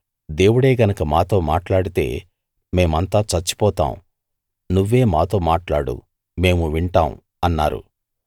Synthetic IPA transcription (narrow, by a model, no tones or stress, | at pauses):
d̪e̞ːwuɽe̞ːɡɐnɐkɐmaːt̪o̞ːmaːʈlaːɽit̪e̞̰ː | me̞ːmɐnt̪aːt͡ʃɐt͡ʃːi̥pɔːt̪a̰ːm | nuʋːe̞ːmaːt̪o̞ːmaːʈlaːɽṵ | me̞ːmuʋiɳʈaːm | ɐnːa̰ːɾṵ